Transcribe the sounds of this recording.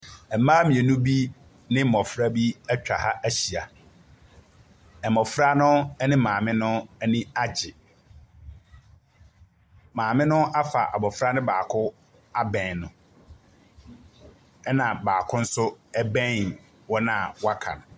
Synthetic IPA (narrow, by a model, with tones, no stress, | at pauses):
ɛ˨m̩˨mːãː˦mĩ˨ɛ˨nũ˦bi˦ | nɪ̃˦m̩˦˨mɔ˨fɾa˦bi˦æ˦t͡ɕᶣa˨ha˦ʔæ˦ɕi˨a˨ | ɛ˨mɔ˨fɾa˦nʊ̃˦ɛ˦nɪ̃˦mãː˨mɪ̃˦nʊ̃˦nĩ˦a˦d͡ʑɪ˨ | mãː˨mɪ̃˦nʊ̃˦ʔa˦fa̰˨ʔa˨bɔ˨fɾa˦nɪ̃˦baː˨kʰʊ˦ | a˦bɛ̃˨nnʊ̃˨ | ɛ˦nã˨baː˨kʰʊ̃˦n̩˦sʊ˦ɛ˦bɛ̃˦n | wɔ˦nã˨wɔ˦a˦kʰã̰˨nʊ̃˨